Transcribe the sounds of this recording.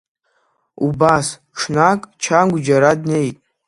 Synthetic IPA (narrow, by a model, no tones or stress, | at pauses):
ṵbas | ʈ͡ʂʰnakʼt͡ʃʰanɡʷd͡ʒaɾadne̞jtʼ